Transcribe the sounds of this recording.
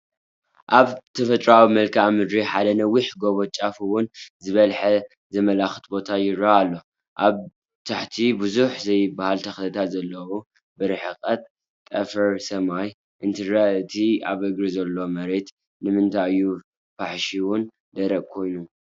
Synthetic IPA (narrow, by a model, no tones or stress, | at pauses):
ʔaβt̪ʰɐfɐt̪ʼɾawimɐlkʰaʔmɨd̪ɾiħad̪ɐnɐwiħɡo̞βot͡ʃʼafuwʊnzɨβɐlħɐ | zɐmɐlaxɨ̥t̪bo̞t̪ʰajɪɾaːlːo̞ | ʔaβ | t̪ʰaħt̪ʰibuzuħzɐjbahalt̪ʰɐxt̪ʰɐt̪ʰat̪zɐlːɐwu | bɨɾɨħɨkʼɐt̪ʼ | t̪ʼɐfɐɾsɐmaj | ʔɨnt̪ʰɨɾaɨt̪ʰiaβɨɡɾizɐlːo̞mɐɾe̞t̪ | nɨmɨnt̪ʰaɨjːu | baħʃiwʊn | d̪ɐɾɐʔkʰo̞jnu